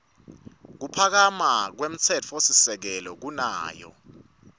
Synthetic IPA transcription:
k̬upʰak̬amak̬wem̩t͡sʰɛt͡fʰɔosisɛk̬ɛlɔk̬unaːjɔ̰

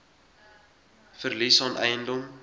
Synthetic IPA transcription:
fərlisɑnʔɛjəndɔm

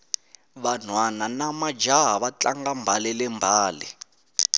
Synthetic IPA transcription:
βan̤wananamad͡ʒaɦaβat͡ɬaŋɡambʱalɛlɛmbʱaːlɛ̰

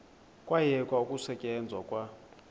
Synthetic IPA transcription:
kʼwajɛkʼwaukʼusɛcʼɛnd͡zʱwakʼwa

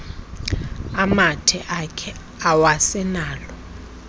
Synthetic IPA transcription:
amatʰɛʔakʰɛ | awasɛnaːlɔ

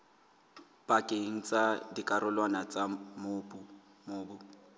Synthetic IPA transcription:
b̥ʼakʼeŋ̩t͡sʼadikʼaɾʊlwanat͡sʼamoːbu | mʊːbʊ

